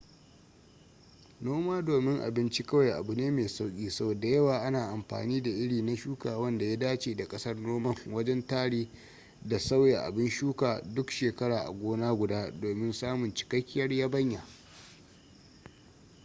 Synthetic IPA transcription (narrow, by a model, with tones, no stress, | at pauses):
noː˦maː˦doː˨mɪ˦ŋʔa̰˨bɪ˦nt͡ʃi˦kɐ˦wa˨jʔa̰˨bu˨neː˦meː˨sa˦wkʲʼiː˦sɐ˦bo˨da˨jɐ˦waː˨ʔa˦naː˨ʔa˨mɸa̰ː˨niː˦da˨ʔɪ˦ɽiː˨na˦ʃuː˦kaː˨wɐ˦nda˨ja˦daː˦t͡ʃeː˨da˨kʼɐ˦sɐ˦rnoː˦mɐ˦˨ŋwɐ˦d͡ʒɛ˦ntaː˦ɽiː˦ | da˨sɐ˦wja˨ʔa̰˨bɪ˦nʃuː˦kaː˨dʊ˦kʃeː˨kɐ˦ɽaː˨ʔa̰˨ɡʷoː˦naː˦ɡʷʊ˨daː˦doː˨mɪ˦nsaː˦mʊ˨nt͡ʃɪ̥˨kɐ˦kʲːɪ˦jɐ˦rjaː˦bɐ˦ɲja˨